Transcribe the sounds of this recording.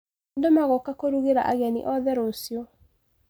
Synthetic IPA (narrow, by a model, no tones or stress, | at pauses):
ndomaɣokakoɾuɣeɾaʔaɣɛnḭʔɔðɛɾosio